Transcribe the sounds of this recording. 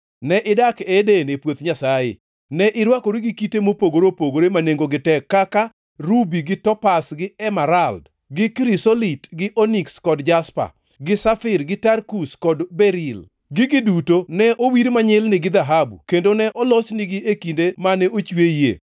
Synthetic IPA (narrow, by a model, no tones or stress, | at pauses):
nɛʔɪdakɛdenepwot̪ɲasajḛ | nɛʔɪɾwakoɾiɡɪkitemopoɡoɾopoɡoɾemaneŋɡoɡɪtɛkːaka | ɾubiɡɪtɔpasɡɪɛmaɾald | ɡɪkɾisolitɡɪʔonikskɔdd͡ʒaspa̰ | ɡɪsafɪɾɡɪtarkuskɔdbɛɾil | ɡɪɡɪdutonɛʔowiɾmaɲɪlnɪɡɪd̪aɦabṵkendonɛʔɔlɔsnɪɡɪʔekindemanɛʔot͡ʃwejḛ